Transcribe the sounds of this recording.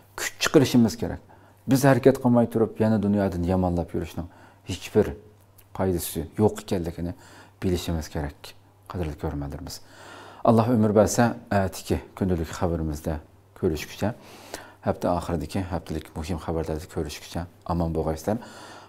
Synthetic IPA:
kʲʰy̥t͡ʃt͡ʃʰə̥qəɾɨʃɪmɪz̥kʲeɾɛ̰k̚ʲ | bɪzhɛɾɪkʲɛt̪qʰəmɑjt̪ʰuɾupjɛnɛd̪unjɑːd̪ɨnjɑmɑnlˠɑpjyɾyʃnɨŋ | het͡ʃb̥ɪɾ | qʰɑjd̪ɪsɪjoqʰe̥kʲɛlːɪkʲʰinɪb̥ɪlɪʃimɪz̥kʲʰɪɾɛkʲ | qʰæd̪ɪɾd̪ɪkʲʰøɾmælɪɾmɪz̥ɑlˠːɑhømɪɾbæsɛɛːt̪ʰːɪ̥kʲʰikʲʰynd̪ylɪkʲχæbɪɾɪmɪzd̪ɛ | kʲʰøɾyʃkʲʰy̥t͡ʃʰɛ | hɛp̚t̪ʰɪɑːχəɾɨd̪ɪkʲiɦɛpt̪ʰɪlɪkʲmuɦimχæbæɾlæɾd̪ɛkʲʰøɾyʃkʰʲy̥t͡ʃʰɛɑmɑnboʁɑjslæɾ

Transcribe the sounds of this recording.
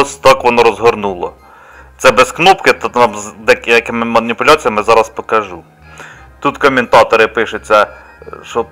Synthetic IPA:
ɔsʲt̪ɑkʋɔnɔɾɔzɦɔɾnulˠɔ̰ | t̪sɛbɛsknɔpkɪt̪ɑmzd̪ɛkjɐkɪmɪmɐnʲipʊlʲɑt͡sʲijɐmɪzɑɾɐspɔkɐʒu | t̪ut̪kɔmʲɪnt̪ɑt̪ɔɾɪpɪʃʊt͡sʲːɐ | ʃɔ

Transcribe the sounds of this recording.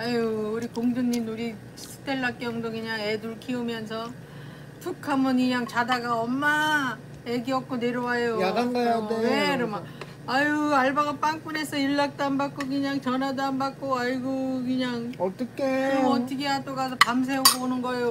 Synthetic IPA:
aːɾikoŋdɯnɲinuɾi | sʰɯ̥t͈e̞ɭːak͈jʌŋdokɯɲaŋe̞duɭkʰiumjʌnsʰʌ | tʰɯkʰamunɯɲaŋt͡ɕadaɡaʌmːa | eɡiʌk̚k͈oneɾowajojadaŋɡajadeeɾɯma | ajɯaɭbaɡap͈aŋk͈une̞sʰʌiɭːak̚t͈ambak͈okɯɲaŋt͡ɕʌnadambak͈oaiɡokɯɲaŋʌt͈ʌkʰeɾʌʌtɯkeɦadoɡasʰʌpams̬ʰe̞oɡonɯnɡʌejo

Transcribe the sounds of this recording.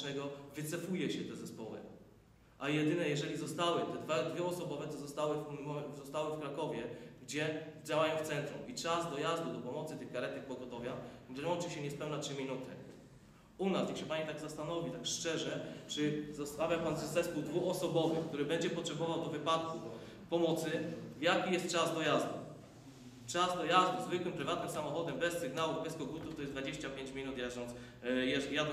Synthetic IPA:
nɛɡɔvɘt̪sɛfujɛɕɛt̪ɛzɛspɔwɘ̰ | ʔajɛd̪ɘnɛjɛʐɛlʲizɔst̪awɘt̪ɛd̪vad̪vʲjɛɔsɔbɔvɛt̪ɔzɔst̪awɘfzɔst̪awɘfkɾakɔvʲjɛɡd͡ʑɛd͡ʑawajɔ̃wft̪sɛnt̪ɾumit͡ʂazd̪ɔjazd̪ud̪ɔpɔmɔt̪sɘt̪ɘxkaɾɛt̪ɛk̚pɔɡɔt̪ɔvʲjaɛmɔt͡ʂɘɕɛɲɛspɛwnatʂɘmʲinut̪ɘ | unasjakɕɛpaɲit̪aɡzast̪anɔvʲit̪akʂt͡ʂɛʐɛt͡ʂɘzɔst̪avʲjapanzɛst̪ɛskuwd̪vuxɔsɔbɔvɘxk̚t̪uɾɘbɛɲd͡ʑɛpɔtʂɛbɔvawd̪ɔvɘpat̪ku | pɔmɔt̪sɘvjakʲijɛst̪̚t͡ʂazd̪ɔjazd̪u | t͡ʂazd̪ɔjazd̪uzvɘkwɘmpɾɘvat̪nɘmsamɔxɔd̪ɛmbɛsːɘɡnawubɛskɔɡut̪uft̪ɔjɛzd̪vad͡ʑeɕt͡ɕapʲjeɲt͡ɕmʲinut̪jazɔnt̪s | jɛjad̪

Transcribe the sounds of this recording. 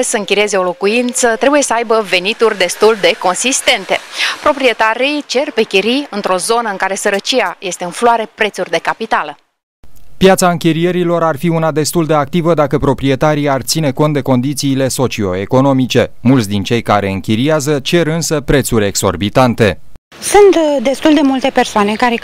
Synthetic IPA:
səɨŋkʲiɾie̞ze̞o̞lo̞kuint̪sət̪ɾe̞buje̞səajbəve̞nit̪urʲd̪e̞st̪uld̪e̞ko̞nsist̪e̞nt̪e̞pɾo̞pɾie̞t̪aɾijt͡ʃe̞rpe̞kʲiɾiɨnt̪ɾo̞zo̞nəɨŋkaɾe̞səɾət͡ʃiaje̞st̪e̞ɨnfloaɾe̞pɾe̞t̪surʲd̪e̞kapit̪alə | pjat̪saɨŋkʲiɾije̞ɾilo̞ɾarfiunad̪e̞st̪uld̪e̞ak̚t̪ivəd̪akəpɾo̞pɾie̞t̪aɾijart̪sine̞ko̞nt̪̚d̪e̞ko̞nd̪it̪siːle̞so̞t͡ʃio̞eko̞no̞mit͡ʃe̞mult̪sʲd̪int͡ʃe̞jkaɾe̞ɨŋkʲiɾijazət͡ʃe̞rɨnsəpɾe̞t̪surʲe̞ɡso̞̰rbit̪ant̪e̞ | sunt̪d̪e̞st̪uld̪e̞mult̪e̞pe̞rsoane̞kaɾe

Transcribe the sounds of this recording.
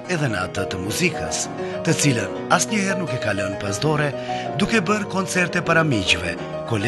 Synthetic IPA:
ɛðɛnəa̰t̪ət̪əmuzikə̰s | t̪ət͡silən | asɲəhɛɾnukɛkalɔnpasd̪ɔɾɛ | d̪ukɛbəɾkɔnt͡sɛɾt̪ɛpaɾamiɟvɛ | kɔl

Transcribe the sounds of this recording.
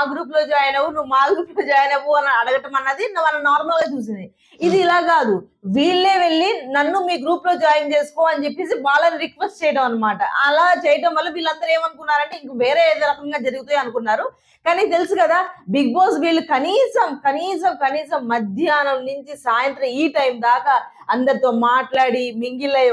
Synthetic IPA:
aɡɾuːp̬lo̞ːd͡ʒaːjɐnɐwunuʋumaːɡɾuːplo̞ːd͡ʒaːjɐnɐʋuɐnɐɐɽɐɡɐʈɐmɐnːɐd̪inɐmɐnɐnaːɾmɐlɡaːt͡ʃuːs̬ind̪i | id̪iːlaːkaːd̪uʋiːɭːe̞ːʋe̞ɭːinɐnːumiːɡɾuːplo̞ːd͡ʒaːjɐmt͡ʃe̞ːsu̥koːɐnit͡ʃe̞pːe̞ːs̬ibaːlɐniɾikʋesʈt͡ʃɛːjɐʈɐmɐnːɐmaːʈɐ̰ɐ̰laːt͡ʃɛːjɐʈɐmʋɐlːɐʋiːɭːɐnd̪ɐɾe̞ːmɐnukunːaːɾɐɳʈe̞ːiŋkɐʋeːɾeːeːd̪oɾɐkɐŋɡaːd͡ʒɐɾuɡut̪uːjiɐnukunːaːɾu | kaːnit̪elusukɐd̪aːbiɡ̚boːsʋiːɭːukɐniːsɐmkɐniːs̬ɐmkɐniːs̬ɐmːɐd̪ʱjaːnɐmnuɲt͡ʃisaːjɐnt̪ɾɐmiːʈɐjmd̪aːkɐ | ɐnd̪ɐɾit̪oːmaːʈlaːɽimiŋɡilɐ

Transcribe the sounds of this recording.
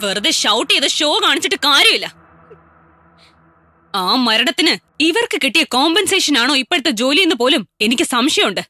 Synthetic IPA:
ʋerɨðɨɕɐwʈːijɐðɨɕo̞ːkaːɳit͡ɕːiʈːɨkaːɾjɐmilːɐ | aːmɐɾɐɽɐt̪ːinɨ | iʋɐrkɨkeʈːijɐkoːmbɐnse̞ːʂɐnaːɳo̞ːipːeɽt̪ːɐd͡ʑo̞ːlijenːɨp̬o̞ːlume̞nikʲːɨsɐmʂjɐmuɳɖɨ

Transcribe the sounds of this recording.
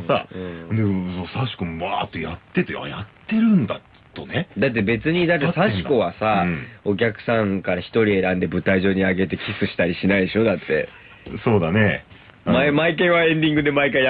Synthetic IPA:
saɯ̃ːd̪esoːsaɕi̥komaːt̪ːojat̪ːe̞t̪ea̰jat̪ːe̞ɾɯ̟̃nd̪a | t̪oned̪at̪̬ːe̞be̞t͡sɨɲ̟id̪at̪ːesaɕi̥ko̞βasao̞k̬ʲakɯ̟̥sãŋkaɾaçi̥t̪o̞ɾʲie̞ɾãnd̪e̞bɯ̟t̪aiʑo̞ːɲ̟iaɡe̞t̪e̞kʲisɨɕi̥t̪aɾʲiɕinaid̪eɕo̞d̪at̪ːe̞̰ | so̞ːd̪ane̞ | mamaikaĩβaẽ̞nd̪ʲĩŋɡɯ̟d̪e̞maikai

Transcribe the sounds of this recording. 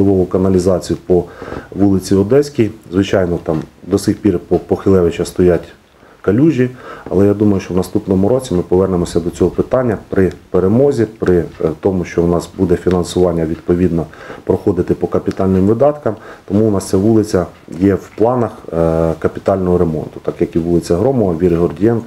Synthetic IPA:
lˠɪʋɔʋʊkɐnɐlʲizɑt͡sʲijʊpɔʋulˠɪt͡sʲiɔd̪ɛsʲkʲijzʋɪt͡ʃɑjnɔt̪ɑmd̪ɔsɪxpʲirpɔpɔxɪlˠɛʋɪt͡ʃɐst̪ɔjatʲ | kɐlʲuʒʲiɐ̰lˠɛjad̪umɐjʊʃt͡ʃɔʋwnɐst̪upnɔmʊɾɔt͡sʲimɪpɔʋɛrnemɔsʲɐd̪ɔt͡sʲɔɦɔpɪt̪ɑnʲːɐpɾɪpeɾemɔzʲipɾɪt̪ɔmʊʃt͡ʃɔwnɑsbud̪ɛfʲinɐnsʊʋɑnʲːɐʋʲid̪̚pɔʋʲid̪nɔpɾɔxɔd̪ɪt̪ɪpɔkɐpʲit̪ɑlʲnɪmʋɪd̪ɑt̪kɐmt̪ɔmuʊnɑst̪sʲɛʋulˠɪt͡sʲɐjɛwplˠɑnɐxkɐpʲi̥t̪ɑlʲnɔɦɔɾemɔ̰nt̪ʊ̥t̪ɑkjɐkiʋulˠɪt͡sʲɐɦɾɔmɔʋɐʋʲiɾɪɦɔrdʲijɛnk

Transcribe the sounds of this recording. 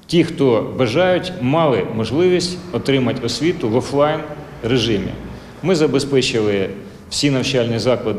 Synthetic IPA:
tʲixt̪ɔbɐʒɑjʊtʲmɑlˠɪmɔʒlˠɪʋʲisʲtʲɔt̪ɾɪmɐtʲɔsʲʋʲit̪ʊʋɔflˠɑjn | reʒɪmʲḭ | mɪzɐbespɛt͡ʃɪlˠɪ | w̥sʲinɐwt͡ʃɑlʲnʲizɑklˠɐd̪

